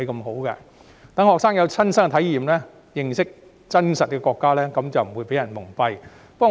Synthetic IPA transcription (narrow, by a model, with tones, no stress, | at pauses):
jkɐ˧mɦo˨˥wkɛ̰ː˧ | t̪ɐ˨˥ŋhɔː˨ksaː˥ŋjɐ˨˧wt͡sʰɐ˥nsɐ˥ŋɛ˧t̪ʰɐ˨˥jiː˨mlɛː˥ | jɪ˨˩ŋsɪ˥k̚ | t͡sɐ˥nsɐ˨t̚kɛ˧kɔː˧kːaː˥lɛː˥kɐ˨˦mt͡sɐ˨wm̩˨˩wuː˨˧jpe˨˥jɐ˨˩nmʊ˨˩ŋpɐ˧j | pɐ˥kː